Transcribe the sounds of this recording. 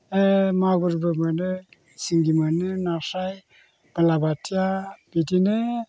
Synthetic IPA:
emaɡuɾbɯmanɯ | siŋɡimanɯnasaj | b̥alabatiab̥idinɯ

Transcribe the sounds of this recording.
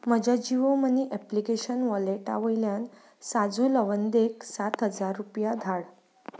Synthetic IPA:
məd͡ʑad͡ʑiʋoməniʔɛplikeɕənʋɔleʈa̰ʋəjljan | sad͡zuləʋənd̪eksat̪ɦəd͡zaɾːupjad̪ʱaɽ

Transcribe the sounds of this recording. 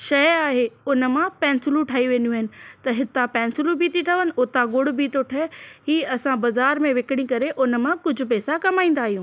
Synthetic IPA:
ʃɐjaːɦeʊnə̆mãpɛ̃ːnsɪlũʈʰaːiʋẽːnuaɦɪnɪ̆t̪ɐɦɪt̪ãpɛ̃ːnsɪlũbiːt̪iʈʰɐʋənɪ̆ʊt̪ãɡʊɽbiːt̪oʈʰɐɦiːɐsãbɐzaːɾmẽʋekɪɽ̃ĩkɐɾeʔʊnə̆mãkʊd͡ʑʱʊ̆pɛːsakɐmaːĩːn̆d̪aːɦijũː

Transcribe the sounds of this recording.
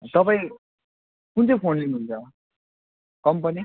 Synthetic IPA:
t̪ʌpaĩ | kunt͡sʌpʰonlinɦunt͡sʰʌ | kʌmpʌni

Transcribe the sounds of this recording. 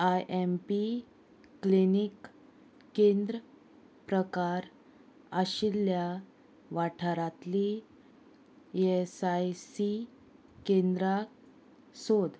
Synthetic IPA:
ajʔempiː | linikː | ẽnd̪ɾə | pɾəkaɾ | aɕilja | ʋaʈʰəɾat̪li | esajsi | kẽnd̪ɾa | sod̪

